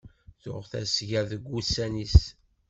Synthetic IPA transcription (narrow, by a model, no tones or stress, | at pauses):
θʊʁθæ̰sʝæðəɡːusænis